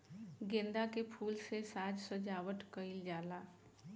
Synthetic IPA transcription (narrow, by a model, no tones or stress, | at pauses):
ɡẽːnd̪akepʰuːlsesaːd͡ʒsəd͡ʒaːwəʈ̪kəɪld͡ʒaːlaː